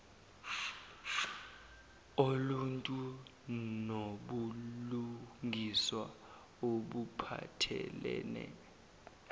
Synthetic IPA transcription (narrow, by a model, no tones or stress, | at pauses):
oluntʼu | noɓuluŋʱiswa | oɓupʰa̰tʰɛ̰lɛːnɛ̰